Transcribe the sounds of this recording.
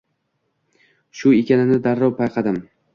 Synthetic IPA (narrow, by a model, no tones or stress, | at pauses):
ʃʊekʲʰanɪnɪd̪aɾːɒwpʰajqʰɑd̪ɪm